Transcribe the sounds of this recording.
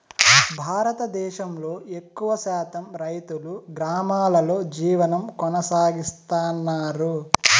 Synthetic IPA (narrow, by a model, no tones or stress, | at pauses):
bʱaːɾɐt̪ɐd̪ɛːʃɐmlo̞ːekːuʋɐʃaːt̪ɐmɾɐjt̪uluɡɾaːmaːlɐlo̞ːd͡ʒiːʋɐnɐmkɔnɐsaːɡist̪aːnːaːɾu